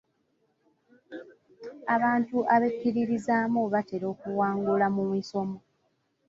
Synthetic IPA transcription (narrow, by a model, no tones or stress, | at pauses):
aβaːntuʔaβekːiɾiɾizaːmuβate̞ɾo̞ːkuwaːŋɡulamumiso̞mo